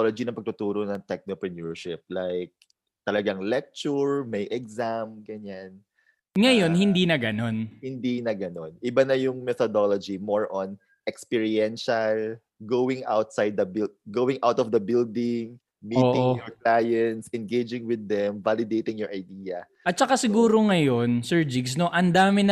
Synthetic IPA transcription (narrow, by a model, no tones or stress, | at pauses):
olod͡ʒinɐ̃ŋpɐɡ̚t̪ʊt̪uːɾonɐŋt̪ɛk̚nopɹɛnuɹʃɪp̚lajk̚ | t̪ɐlɐɡaŋlɛk̚t͡ʃʊɹmɐjʔɛɡzamɡɐɲan | ŋɐjonhɪnd̪inɐɡɐno̞nhɪnd̪inɐɡɐnonʔɪbanɐjʊŋmɛt̪od̪olod͡ʒimoɹʔɔn | ʔɛkspɪɹiɛnʃɐl | ɡowɪŋʔa̰wt̪̚sajd̪̚ːɐbɡowɪŋʔawt̪ɔvd̪ɐbɪld̪ɪŋ | miʔoːʔɪ̃oŋjɔɹklajɛnt̪sɛ̃nɡejd͡ʒɪ̃ŋwɪd̪ːɛmvalɪd̪ejt̪ɪ̃ŋjɔɹʔɐjd̪iːjɐ | ʔɐt̪̚t͡ʃɐkasɪɡuːɾo̞ŋɐjo̞nsɛɹd͡ʒɪɡs̬no̞ʔɐnd̪aːmɪnɐ